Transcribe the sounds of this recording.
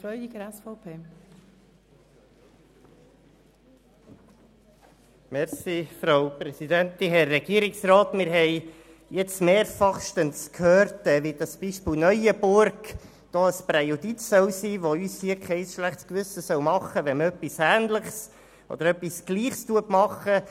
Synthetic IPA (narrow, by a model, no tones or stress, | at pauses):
fɾɔʏdiɡəɾɛsfɔʊpʰeː | mɛɾsifɾaʊpɾɛsid̪ænt̪iɦɛrːɛɡ̥iəɾiksɾɑːt̪mɪɾɦɛɪ | jɛt͡smeːɾfɑχʃtənskʰhøːɾtɛːʋid̥̪ɑsb̥iʃpɪːlnœjəbʊɾɡ | d̪̥oːəspɾejud̪itsœwsiːʋoyːshiəkʰɛɪsʃlæχtskʋʏsəsœwmɑχəʋɛnœpːisæːnləχs | ʔɔ̰d̪əɾœpːisɡ̥liːχstuətmɑχə